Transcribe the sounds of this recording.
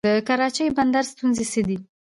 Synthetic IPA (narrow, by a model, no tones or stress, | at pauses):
əkaɾɑt͡ʃəjband̪aɾst̪unzesəd̪i